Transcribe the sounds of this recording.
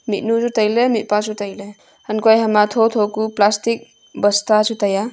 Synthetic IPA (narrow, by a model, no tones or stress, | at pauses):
mit̚nusutajlemit̚pasutɐjle | hɐnkojɦamatʰotʰokuplastik̚ | bɐstasutaja